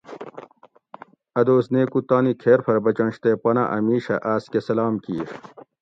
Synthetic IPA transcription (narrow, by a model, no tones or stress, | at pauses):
ɐd̪oːsneːkut̪aːnikʰeːɾpʰɐɾbɐt͡ɕɐ̃nɕt̪epɐna̰ʔɐmiːɕɐ̰ʔaːskesɐlaːmkiːɾ